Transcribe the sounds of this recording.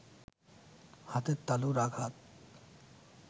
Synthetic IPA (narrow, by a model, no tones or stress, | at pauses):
hat̪et̪ːaluɾaɡʱat̪̚